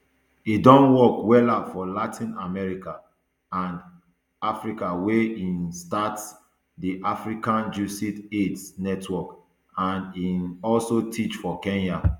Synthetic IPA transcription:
idɔ̃nwɔkwɛlafɔlatʰĩnamɛɹika | ãn | afɹikaweinstats | diʔafɹikãnd͡ʒusitetnɛtʰwɔk | ãninɔlsotʰit͡ʃfɔkɛ̃nja

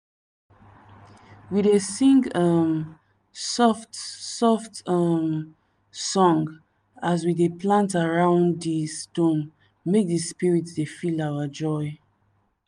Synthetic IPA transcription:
widesĩŋɡam | sɔftsɔftʌm | sɔ̃ŋɡ | azwideplãntaɹãʊ̃ndistõn | mek̚dispiɹitdefilawad͡ʒɔj

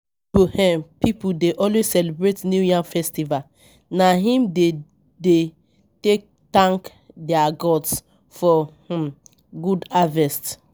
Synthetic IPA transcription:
buhɛ̃mpipudeʔɔlwezsɛlibɹetnjujãnfɛstival | naɦĩmde | de | tek̚ | tãŋk | dɛaɡɔds | fɔh̩ | ɡudavɛst

